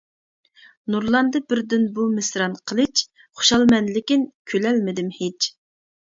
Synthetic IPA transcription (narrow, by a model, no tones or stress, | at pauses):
nuɾlˠɑnd̪ɨbɪɾd̪ɪnbumɪsɾɑnqʰəlˠɨt͡ʃ | χʊ̥ʃɑlˠmɛnlɪkʲinkʲʰølɛlmɪd̪ɪmhet͡ʃ